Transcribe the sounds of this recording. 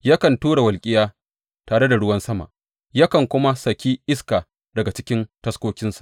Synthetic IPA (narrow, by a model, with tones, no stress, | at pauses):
jaː˦kɐ˨ntuː˦ɽa˨wɐ˨lkʲʼɪ˦jaː˦ | taː˨ɽe˦da˨ɽʊ˦wɐ˦nsɐ˦ma̰˨ʔ | ja˦kɐ˨ŋkʷʊ˦ma˦sɐ˨kʲiː˦ʔɪ˦skaː˨ | dɐ˨ɡa˨t͡ʃɪ˦kʲɪ˦ntɐ˦skʷoː˦kʲɪ˦nsḁ˨ʔ